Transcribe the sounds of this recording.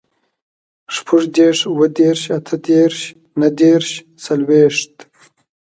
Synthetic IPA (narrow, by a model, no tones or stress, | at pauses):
ʂpʰuʐd̪eʂuwəd̪eːɾʃat̪ʰəd̪eːɾɕ | nad̪eːɾʃ | salweːʂt̪